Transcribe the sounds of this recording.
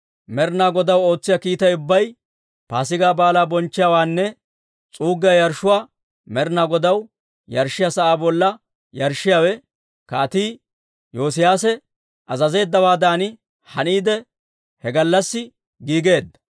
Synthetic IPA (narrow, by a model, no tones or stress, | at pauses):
mɛɾnaːɡɔd̪ɐwo̞ːt͡sːɪjɐkiːt̪ɐjʊbːɐj | paːs̬ɪɡaːbaːlaːbɔnt͡ʃːɪjaːwaːnːɛ | t͡sʼuːɡːɪjɐjɐɾʃʊwaː | mɛɾnaːɡɔd̪ɐw | jɐɾʃːɪjasɐʔaːbɔlːɐ | jɐɾʃːɪjaːwɛ | kaːt̪iː | joːs̬ɪjaːsɛ | ʔɐzɐze̞ːd̪ːɐwaːd̪aːnɪ | hɐniːd̪ɛ | hɛɡɐlːɐsːɪ | ɡiːɡe̞ːd̪ːɐ̥